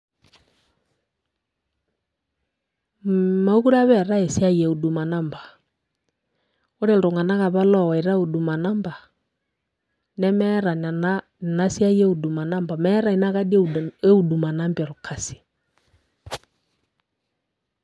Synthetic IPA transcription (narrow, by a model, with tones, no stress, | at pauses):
ma˨u˦ku˦ɾa˦βɛ˦˨ɾa˦e˨sja˦je˨u˨du˨ma˨na˦mbḁ˨ | o˦ɾe˦˨ldo˨ŋa˨na˦ɣa˨βa˦lɔ˦˨wa˨i˨ɾa˦u˨du˨ma˨na˦mba˨ | nɛ˦mɛ˦ɾa˨na˨na˦˨ | na˦sja˦jɛ˦u˨du˨ma˨na˦mba˨mɛ˦ɾa˨i˨na˦ka˦di˦u˦˨du˨ma˨na˦mbja˨ɾu˨kʰa˨si̥˨